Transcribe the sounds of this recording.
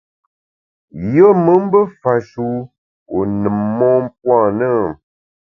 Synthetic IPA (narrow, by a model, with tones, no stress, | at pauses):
jə˦mə˦m̩˦bə˦fa˨ʃu˨˦ | o˨nɨ˨mːɔ˦m˦p̚wã˦˨nə˦˨